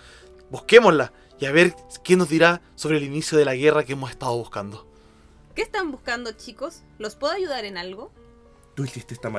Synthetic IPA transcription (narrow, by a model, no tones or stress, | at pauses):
buske̞mosla | iaβe̞ɾkeno̞zðiɾa | so̞βɾeːlinisjo̞ðe̞laɣe̞rakeemos̬est̪að̞o̞βuskand̪o | keːst̪ambuskand̪ot͡ʃikos | lospweðoaʝuðaɾenalɣo | t̪uisist̪eest̪ama